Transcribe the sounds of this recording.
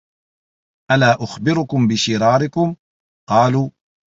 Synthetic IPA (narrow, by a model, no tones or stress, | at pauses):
ʔalaːʔʊxbɪɾʊkʊmbɪʃɪɾɑːɾɪkʊm | qɑːluː